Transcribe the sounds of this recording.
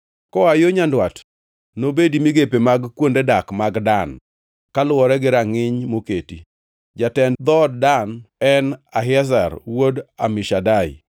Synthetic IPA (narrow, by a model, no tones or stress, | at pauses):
kɔajoɲandwat | nobedimiɡepemaɡkwondedakmaɡdan | kalʊɔɾɛɡɪɾaŋɪɲmoketi | d͡ʒatɛnd̪ɔd̚danɛnaɦɛs̬arwodamɪʃadaɪ̰